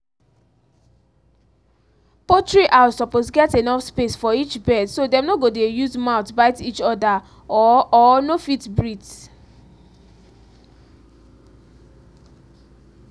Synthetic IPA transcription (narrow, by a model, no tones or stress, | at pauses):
pɔtɹiʔasɔposɡɛtenɔfspesfɔit͡ʃbɛdsodɛ̃mnoɡodejuzmaʊtbaɪtit͡ʃɔda | ɔɔnofitbɹits